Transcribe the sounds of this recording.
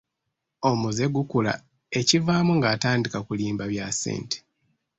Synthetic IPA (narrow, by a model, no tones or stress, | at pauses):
o̞muze̞ɡukula̰ | e̞civaːmuŋɡaːtaːndikakuliːmbaβjasḛːntʰe̥